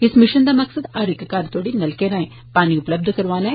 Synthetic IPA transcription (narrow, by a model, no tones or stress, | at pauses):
ɪsmɪʃɐnd̪aːmɐksəd̪aːɾekːkaːɾt̪oːɽinɐlkeːɾãːẽː | paːniʊplɐb̚d̪ʱkɐɾʋaːna